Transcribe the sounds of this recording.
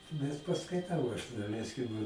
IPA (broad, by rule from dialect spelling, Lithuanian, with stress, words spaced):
bʲɛt pɐskɐɪˈtɐʊ ɐʃ dɐˈlʲɛɪsʲkʲɪm